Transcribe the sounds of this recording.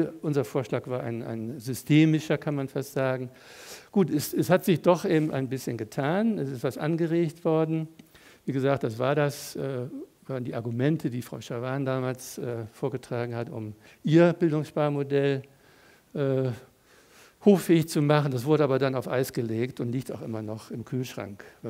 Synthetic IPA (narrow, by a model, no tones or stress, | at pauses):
ʔʊnzɐfoːɐʃlaːkv̥aːɐʔa̰ɪna̰ɪnzʏstʰeːmɪʃɐkʰanmanfastz̥aːɡŋ̩ | ɡ̥uːtɛsɛshatz̥ɪçd̥ɔχʔeːbm̩ta̰ɪnbɪsçənɡətʰaːnɛsɪstv̥asʔa̰nɡəʁeːçtv̥ɔɐdn̩ | viːɡəzaːk̚t̚d̥asv̥aːɐdasʔɛːvaːndiːʔaɐɡumɛntʰədiːfʁ̥aʊʃavaːndaːmaːlsʔɛːfoːɐɡətʁ̥aːɡŋ̩hatʊ̰m | ʔiːɐbɪldʊŋsʃpaːɐmodɛl | ʔɛː | hoːxfɛːɪçt͡sumaχən̩das̬v̥ʊɐɾəʔaːbɐdanaʊfʔa̰ɪsɡ̥əleːktʊntliːktaʊxʔɪmɐnɔχɪmkʰyːlʃʁ̥a̰ŋkv